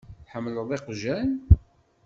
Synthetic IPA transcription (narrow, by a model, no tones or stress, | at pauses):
ħəmːləðˤeqʒæn